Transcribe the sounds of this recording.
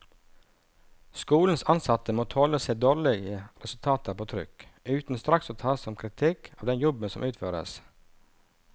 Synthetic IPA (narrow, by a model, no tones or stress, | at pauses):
skuːln̩sɑnsɑt̪əmoːt̪ʰoːləsɛd̪oːɾɭɪɡəɾɛsʉlt̪ʰɑːt̪əpʰoːt̪ʰɾʏ̰kʉːt̪n̩st̪ɾɑksoːt̪ʰɑːsɔmkʰɾɪt̪ʰɪkʰɑːʋd̪ɛnjɔbənsɔmʔʉːt̪føːɾə̰s